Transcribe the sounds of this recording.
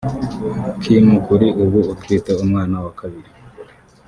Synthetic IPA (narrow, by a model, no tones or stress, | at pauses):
kʰimukuɾiʔuβuutiːteumŋaːnawakaβiɾi